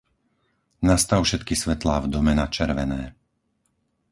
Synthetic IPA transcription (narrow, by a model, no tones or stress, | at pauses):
nast̪aʊfʃɛt̪kisʋɛt̪laːvd̪ɔmɛnat͡ʃɛɾʋɛnɛː